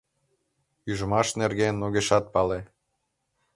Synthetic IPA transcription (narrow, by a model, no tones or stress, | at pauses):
yʒəmɑʃnerɣenːoɣeʃɑt̪̚pɑle